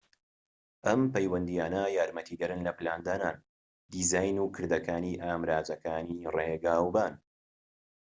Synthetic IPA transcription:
ʔɐmpɐjwɐnd̪ijaːnɐjaːɾmɐt̪ʰiːɡɐɾɨnlɐplaːnd̪aːnaːn | d̪iːzaːjnuːkʰɨɾd̪ɐkaːniːʔaːmɾaːzɐkaːnireɡaːwbaːn

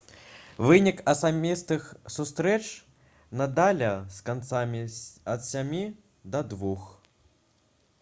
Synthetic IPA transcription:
vɨnʲikɐsamʲist̪ɨxsust̪ɾɛt͡ʂ | nɐd̪alʲɐskant̪samʲiɐt̪sʲamʲi | d̪ɐd̪vux

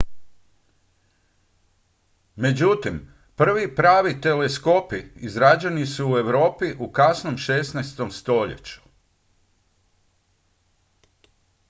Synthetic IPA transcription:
me̞d͡ʑut̪im | pr̩ʋipɾaːʋit̪e̞lesko̞piizɾad͡ʑenisuːe̞ʋɾo̞ːpiʔukasnomʃe̞snɛjst̪o̞mst̪o̞ʎḛt͡ɕu̥

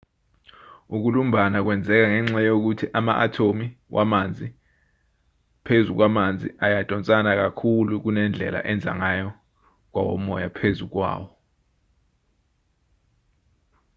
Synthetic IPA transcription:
uk̬ulum̩bʱanak̬wɛnd͡zʱɛk̬aŋɛŋ͡ǁajok̬utʰiʔama̰ʔatʰomiwʔamand͡zʱi | pʰezuk̬wamand͡zʱḭʔajatʼɔnt͡sʼanak̬akʰuluk̬unɛnd͡ɮʱɛ̰la̰ʔɛnd͡zʱa̰ŋajɔ | k̬wawɔ̰mɔjapʰezuk̬wa̰ːwɔ

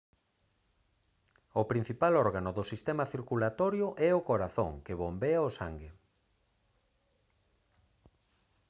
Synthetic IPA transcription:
ʊpɾin̟θipalɔɾɣanʊðʊsist̪emaɐθiɾkulat̪ɔɾjʊʔɛokoɾaθõ̰ŋkeβombeaosaŋɡɪ

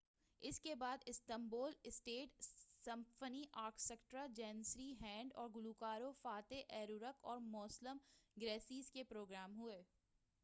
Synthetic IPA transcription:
ɪskebaːd̪ɪst̪ə̃mboːlɪsʈeːʈsɐ̃mfəniʔaːɾkʰsɛkʈɾad͡ʒɛːnsɾiɦɛ̃ːɳɖɔ̰ːɾɡʊlukaːɾofaːt̪eʔɛːɾuɾəkɔːɾmɔːsləmɡɾɛːsiːzkepɾoːɡɾaːmɦʊeː

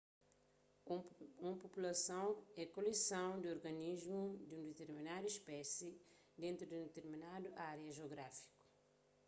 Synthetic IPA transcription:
ũmpopulɐsɐ̃w̃ɛkolesɐ̃w̃d̪ɪoɾɡɐniʒmud̪ũnd̪et̪eɾminad̪uiʃpɛsi | d̪ẽnt̪ɾud̪ũd̪et̪eɾminad̪uʔaɾjɐʒoɡɾafi̥ku̥

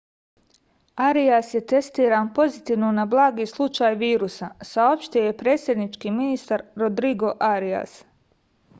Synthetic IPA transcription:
aɾiasje̞t̪e̞st̪iːɾaːnpo̞zit̪iːʋnonablˠaːɡislˠut͡ʃaːjʋiːɾusasao̞pʃt̪iojepɾeːt̪sʲjed̪nit͡ʃkiːminist̪aɾɾod̪ɾiɡo̞ʔaɾia̰s

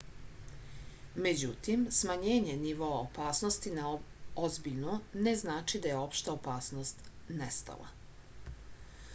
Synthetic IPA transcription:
me̞d͡ʑut̪imsmaɲeːɲe̞niʋo̞aopaːsno̞st̪inaozbiʎnone̞znaːt͡ʃid̪ajeo̞pʃt̪aopaːsno̞st̪nest̪a̰la̰

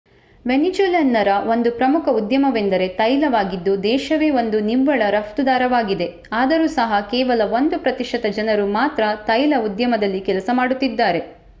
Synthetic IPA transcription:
ʋenit͡ʃeːlɐnːɐɾɐʋo̞nd̪upɾɐmukʰɐud̪jɐmɐʋend̪ɐɾe̞t̪ɐjlɐʋaːɡid̪ːud̪ɛːʃɐʋe̞ːo̞nd̪uniʋːɐɭɐɾɐft̪ud̪aːɾɐʋaːɡid̪e̞ | aːd̪ɐɾuːsɐɦɐkɛːʋɐlɐʋond̪upɾɐt̪iʂɐt̪ɐd͡ʒɐnɐɾumaːt̪ɾɐt̪ɐjlɐud̪jɐmɐd̪ɐlːikɛlɐsɐmaːɽut̪ːid̪ːaːɾe̞

